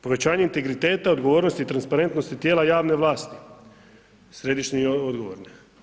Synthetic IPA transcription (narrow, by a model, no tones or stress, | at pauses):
po̞ʋe̞t͡ɕaːɲe̞int̪e̞ɡɾit̪e̞ːt̪ao̞d̪ɡo̞ʋoːɾno̞st̪it̪ɾanspaɾe̞nt̪no̞st̪it̪ʲjeːlajaːʋne̞ʋlˠaːst̪i | sɾe̞d̪iʃniod̪ɡoʋoːɾne